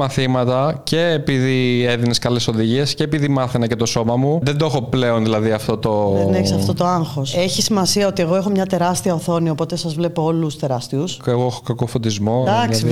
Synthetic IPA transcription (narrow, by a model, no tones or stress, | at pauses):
mɐθimɐt̪ɐce̞ːpiðieðineskɐleso̞ðiʝie̞sce̞ːpiðimɐθenɐce̞t̪o̞so̞mɐmuðend̪oexo̞ple̞o̞nðilɐðiɐft̪o̞t̪o̞ðeneçisɐft̪o̞t̪o̞ɐŋxo̞se̞çisimɐsiɐot̪ie̞ɣo̞e̞xomɲɐt̪e̞ɾɐst̪iɐoθo̞niɐo̞po̞t̪e̞sɐzvle̞poolust̪e̞ɾɐst̪iuseɣoexo̞kɐkofot̪izmo̞d̪ɐksi